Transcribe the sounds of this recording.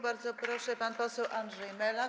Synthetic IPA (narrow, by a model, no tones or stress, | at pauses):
baɾd̪zɔpɾɔʂɛpanpɔsɛwʔandʐɛjmɛla